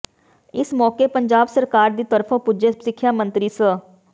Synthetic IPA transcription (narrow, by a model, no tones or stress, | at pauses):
ɪsmɔːkepəɲd͡ʒaːbsəɾkaːɾd̪iːt̪əɾpʰõːpud͡ʒəsɪkʰːjaːmə̃nt̪ɾiːsə